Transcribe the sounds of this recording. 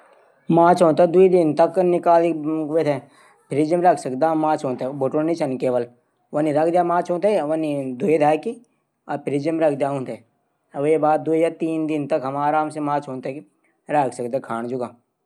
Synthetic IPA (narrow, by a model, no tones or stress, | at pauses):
mãːt͡ʃʰɦõːnt̪ed̪uid̪ɪnt̪ɐknɪkaːliʋet̪ʰe | pʰɪɾid͡ʒəmɾɐkʰsək̚d̪aːmãːt͡ʃʰɦõːt̪eboʈoːnit͡ʃʰɐnkeːʋəl | ʋəniɾɐk̚ʰd̪jaːmãːt͡ʃʰɦõːnt̪eʋɐnid̪uid̪ʱaːki | ɐpʰɪɾid͡ʒəmɾɐk̚ʰd̪jaːɦũːnt̪ʰe | ʋjebaːd̪̚d̪uijaːt̪iːnd̪ɪnt̪ɐkɦɐmaːɾaːmsemãːt͡ʃʰɦõːnt̪eki | ɾɐkʰsɐk̚d̪aːkʰaːɳ̃d͡ʒuɡãː